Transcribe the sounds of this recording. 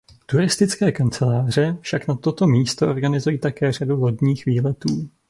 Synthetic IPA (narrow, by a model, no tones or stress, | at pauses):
t̪uɾɪst̪ɪt͡skɛːkant͡sɛlaːr̝ɛfʃaknat̪o̞t̪o̞miːst̪oʔo̞ɾɡanɪzujiːt̪akɛːradulo̞dɲiːxviːlɛt̪uː